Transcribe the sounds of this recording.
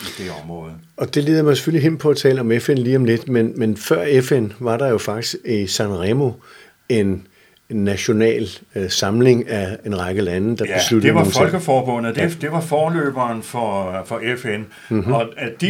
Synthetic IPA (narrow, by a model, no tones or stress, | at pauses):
id̥eɒ̽mʁɔ̰̽ːð̩ˠ | ɒ̽d̥e̝le̝ːð̞ˠmɑɪse̥føliɦem̰pʰɒ̽æt͡sʰɛ̰ːləɒ̽mefenliːɒ̽mle̝d̥menmenfɶɐ̰efenʋɑ̈ɾ̥ɑ̈jo̝fɑ̈ɡ̥̚d̥isɡ̥isænʁɛmo̝ | e̝nː | æɕo̝nɛ̰ːlsɑ̈mle̝ŋæe̝nʁɑ̈ɪɡ̥əlænəd̥ɑ̈b̥e̝slud̥əeʋɑöoːŋfɒ̽lɡ̥əfɒːb̥ɔ̽n̰əd̥ed̥e̝ʋɑ̈fɒːlø̰ːb̥ɐːnfɒfɒ̽efen̩ | ɒ̽d̥i